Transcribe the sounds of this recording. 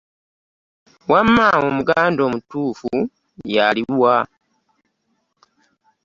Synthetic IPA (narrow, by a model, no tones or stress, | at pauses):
wamːaomuɡaːndo̞ːmutuːfu | jaliwa